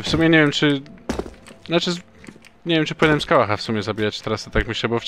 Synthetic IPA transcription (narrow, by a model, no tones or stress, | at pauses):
fsumʲjɛɲɛvjɛmt͡ʂɘ | nat͡ʂɘz | ɲɛvʲjɛmt͡ʂɘpɔwɛnɛmskawaxafsumʲjɛzabʲijat͡ɕt̪ɛɾast̪t̪akmʲɘɕlɛbɔf